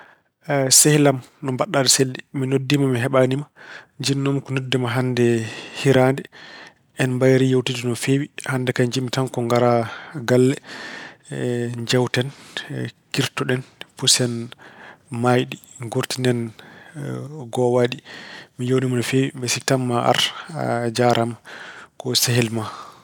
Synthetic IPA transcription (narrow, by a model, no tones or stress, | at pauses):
sɛhlam | nɔmbaɗːadɛseldiminodːimamiɦɛɓanimaɲd͡ʒinːɔmkunodːimaɦandɛhiɾandɛ | ɛnmbajɾijowtidunɔfewihandɛkaɲd͡ʒimːitaŋkɔŋɡaɾaɡalːɛ | d͡ʒawtɛn | kiɾtɔɗɛnpusɛn | majɗiɡoɾtindɛn | ɡɔwaɗimijownimanɔfewimbɛsiktamːaʔa̰ɾad͡ʒaɾʔamkɔsɛɦɛlma